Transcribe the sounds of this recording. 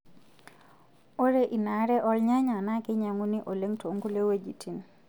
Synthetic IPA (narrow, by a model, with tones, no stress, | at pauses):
o˦ɾe˦ʔi˨na˨ɾɛ˦ʔɔ˦lɲa˦ɲa˨na˦kɪ˦ɲa˨ŋu˦ni˦ʔo˨le˦ŋtʰo˨ŋɡu˦le˦we˦d͡ʒi˨tʰi˨n